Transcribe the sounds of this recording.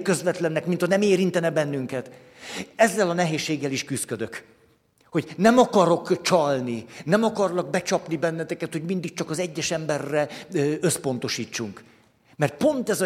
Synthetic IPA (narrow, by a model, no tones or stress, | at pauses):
kø̞zvɛt̪lɛnːɛkmint̪ʰɒnɛmeːɾint̪ɛnɛbɛnːyŋkɛt̪ | ɛzːɛlɒnɛɦeːʃːeːɡːɛliʃkyskø̞d̪ø̞k | ho̞ɟnɛmɒkɒɾo̞kt͡ʃɒlninɛmɒkɒrlɒɡ̚bɛt͡ʃɒpnibɛnːɛt̪ɛkɛt̪hoɟmind̪ik̚t͡ʃɒkɒzɛɟːɛʃɛmbɛrːɛø̞spo̞n̪t̪o̞ʃiːt͡ʃːuŋk | mɛrt̪̚po̞nt̪ɛzɒ